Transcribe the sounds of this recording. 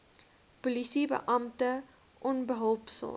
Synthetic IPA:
pulisibə̰ʔɐmtə | ʔɔnbəɦəlˠpsə̰l

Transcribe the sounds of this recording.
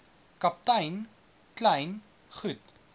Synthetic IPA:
kap̚tajn | klajn | χʉt

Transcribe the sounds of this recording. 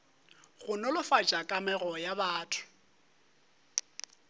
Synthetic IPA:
ɣʊnɔlʊfat͡ʃʼakʼamɛɣɔjabaːtʰʊ̥

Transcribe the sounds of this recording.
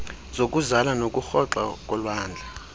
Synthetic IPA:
z̥ok̬ʼuzalanokʼuxɔǁa̰kʼɔlwaːnd͡ɮʱa

